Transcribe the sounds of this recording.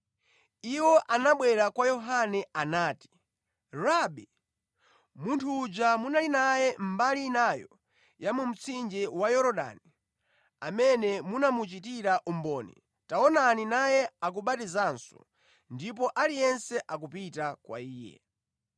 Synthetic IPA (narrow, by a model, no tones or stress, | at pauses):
iwɔʔanaɓwɛɾakwajɔɦanɛanaːti̥ | ɾaɓi | muntʰuːd͡ʒamunalinajɛm̩balinajɔ | jamum̩t͡sʰind͡ʒɛwajɔɾɔɗa̰ni | amɛnɛmunamut͡ʃit̬iɾaʔumbɔːnɛ̰ | taɔnaninajɛak̬uɓatizansɔ̥ | ndip̬ɔʔalijɛnsɛʔak̬upitakwa̰iːjɛ̰